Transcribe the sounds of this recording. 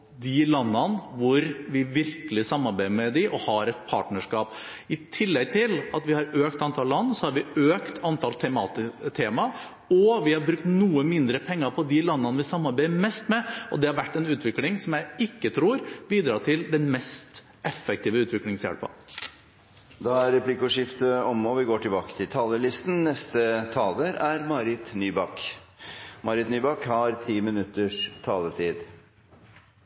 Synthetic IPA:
d̪ɪlɑnːɑnʋʊɾʋɪʋɪɾkəlɪsɑmːɑɾbæɪmɛd̪ɪʔɔhɑɾɛt̪̚pʰɑ̰ːʈɳəʂkɑːpɪt̪ʰɪlːɛɡ̚t̪ʰɪlɑt̪ʋɪhɑɾøːkt̪ɑnt̪ʰɑllɑnːsɔhɑɾʋɪøːkt̪ʰɑnt̪ʰɑːlt̪ʰɛmɑːt̪ɪt̪ʰeːmɑ | ɔʋɪhɑɾbɾʉk̚t̪nuːəmɪnd̪ɾəpʰɛŋːɑpʰɔd̪ɪlɑnːɑnʋɪsɑmːɑɾbæɪmɛst̪mɛʔɔ̰d̪ɛhɑɾʋæʈːɛnʉːt̪ʋɪklɪŋsɔmjæɪɪkːət̪ʰɾuːɾbiːd̪ɾɑːʈ̪ʰɪld̪ɛnmɛst̪ | ʔɛfːək̚t̪ʰiːʋəʉːt̪ʋɪklɪŋsjæ̰ɽpɑ̰ | d̪ɑæɾɛpʰlɪkːɔʂɪft̪əɔmɔʋɪɡoːʈʰɪlbɑːkə̥t̪ʰɪlt̪ʰɑːləlɪst̪n̩nɛst̪ət̪ʰɑːləɾæɾmɑɾɪt̪nyːbɑk | mʔɑɾɪt̪nyːbɑkhɑɾt̪ʰiːmɪnʉt̪ːəʂt̪ʰɑːlət̪ʰiːd̪

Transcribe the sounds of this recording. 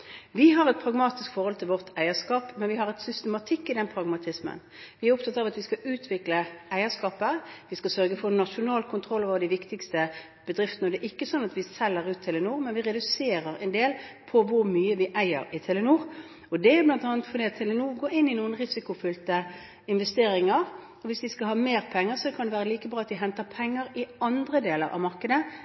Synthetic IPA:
ʋɪɦɑʁɛt̪̚pʰɾɑɡmɑːt̪ɪskfɔʁhɔlt̪ʰɪlʋɔʁt̪ʰæɪəʂkɑːpmɛnʋɪhɑɾɛt̪sʏst̪əmɑt̪ʰɪkːɪd̪ɛnpʰɾɑɡmɑt̪ʰɪsmə̰n | ʋɪæɾɔp̚t̪ʰɑt̪ːɑːʋɑt̪ʋɪskɑʔʉːt̪ʰʋɪkləæɪəskɑːpəʋɪskɑsœʁɡəfɔnɑʂʊnɑːlkʰʊnt̪ʰʁɔlːɑʋɑd̪ɪʋɪkt̪ɪkst̪ə | b̥əd̪ɾɪft̪ənəɔd̪ɛʔɪkːəsɔnːɑt̪ʋɪsɛlːəʁʉːt̪ʰːɪlːənuːʁmɛnʋɪʁɛd̪ʉseːɾəɾɛ̰nd̪eːlpʰɔʋʊɾmyːəʋɪʔæɪə̰ɾɪt̪ʰɛlənuːʁ | ɔd̪ɛæblɑnt̪ɑːnət̪fɔɾd̪ɛːɑt̪ʰɛlənuːʁɡoːɪnːɪnuːənʁɪsɪkʊfʏlt̪ə | ɪnʋɛst̪eːɾɪŋəɾ | ɔʋɪsd̪ɪskɑhɑːmeːʁpʰɛŋːəɾsɔkʰɑnd̪ɛʋæːɾəliːkəbɾɑːɑt̪ʋ̪ɪɦɛnt̪əɾpʰɛŋːəɾɪɑnd̪ɾəd̪eːləɾʔɑ̰ʋmɑʁkəd̪ə

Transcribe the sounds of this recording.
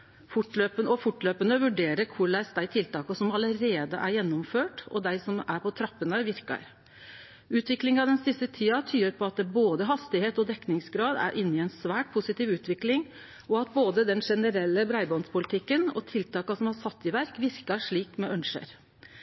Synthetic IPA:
fʊʈløːpəɔfʊʈløːpənəʋʉɖeːɾəɾkʰʊɭæɪsd̪æɪt̪ʰɪlt̪ɑːkɑsɔmɑləɾeːd̪əʔæɾjɛnːɔmføːʈɔ̰d̪æɪsɔmæɾpʰɔt̪ʰɾɑpːənəʋɪɾkɑ̰ɾ | ʉːt̪ʋɪklɪŋɑd̪ɛnsɪst̪ət̪ʰiːɑt̪ʰyːəɾpʰɔɑt̪̚d̪ɛboːd̪əɦɑst̪ɪheːt̪ɔd̪ɛknɪŋsɡɾɑːd̪æ̰ɾʔɪnːɪɛnsʋæːʈ̚pʰʊsɪt̪iːʋʉːt̪ʋɪklɪŋ | ɔɑt̪̚boːd̪əd̪ɛnʂɛnəɾɛlːəbɾæɪbɔnspʰʊlɪt̪ʰɪkːənɔ̰t̪ʰɪlt̪ɑːkɑsɔmɑɾsɑt̪ːɪʋæɾkʋɪɾkɑʂɭiːkmɛʔœnʂə̰ɾ

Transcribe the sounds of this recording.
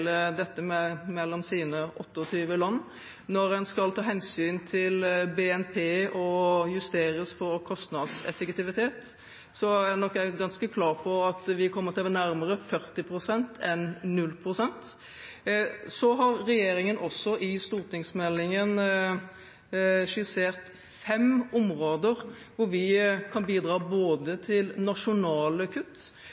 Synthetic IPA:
ləd̪ɛt̪ːəmɛmɛlːɔmsiːnəʔɔt̪ːəɔt̪ʰyːʋəlɑnː | nɔɾɛnskɑlt̪ʰɑːɦɛnsyːnt̪ʰɪlbeːɛnpʰeːɔjʉst̪eːɾəsfɔɾkʰɔst̪nɑd̪sɛ̰fəkt̪ɪʋɪt̪ʰeːt̪ | sɔænɔkːɛɡɑnskəkʰlɑːʁpʰɔɑt̪ʋɪkʰɔmːəɾt̪ʰɛʋɛnæɾməɾəfœɾt̪ɪpʰɾʊsɛnt̪ʰɛnnʉlːpʰɾʊsɛnt̪ | sɔɦɑɾːɛjeːɾɪŋənʔɔsːɔʔɪst̪uːɾt̪ʰɪŋsmɛlːɪŋən | ʂɪseːʁt̪ | fɛmʊmɾoːd̪əɾ | ʋʊɾʋɪkʰɑnbiːd̪ɾɑːboːd̪ət̪ʰɪlnɑʂʊnɑːləkʰʉt̪ː

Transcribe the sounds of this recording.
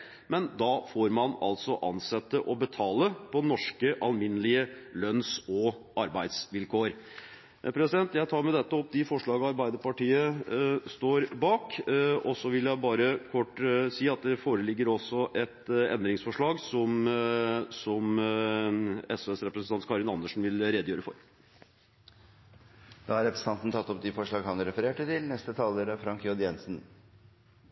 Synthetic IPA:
mɛnd̪ɑfoːɾmɑnɑ̰lt̪sɔʔɑ̰nsɛt̪ːəʔɔbət̪ʰɑːləpʰɔnɔʂkəʔɑlmɪnːəlɪəlœnsɔɑɾbæɪd̪sʋɪlkʰoːɾ | pʰɾɛsɪd̪ɛnt̪jæɪt̪ʰɑːɾmɛd̪ɛt̪ːəɔp̚d̪ɪfɔʂɭɑːɡɑɑɾbæɪd̪əɾpɑʈiːəst̪oːɾbɑːkɔsɔʋɪljæɪbɑːɾəkʰɔʈːsiːɑt̪̚d̪ɛfoːɾəlɪɡːəɾɔsːɔʔɛt̪ɛ̰nd̪ɾɪŋsfɔʂɭɑːɡsɔm | sɔm | ɛsɛsɾɛpɾəsnɑnt̪kʰɑːɾɪnɑnːəʂn̩ʋɪlɾed̪jøːɾəfɔ̰ɾ | d̪ɑːhɑɾɛpɾəsən̩t̪ɑnt̪n̩t̪ʰɑt̪ːɔp̚d̪ɪfɔʂɭɑːɡhɑnɾɛfəɾeːʈət̪ʰɪlnɛst̪ət̪ʰɑːləɾəfɾɑŋkʰjod̪jɛnsn̩

